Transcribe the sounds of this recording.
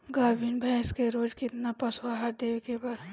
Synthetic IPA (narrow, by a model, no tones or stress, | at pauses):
ɡaːbʱinbʱɛ̃ɪskeɾoːd͡ʒkɪt̪napəswaɦaɾd̪ewekebaːd̪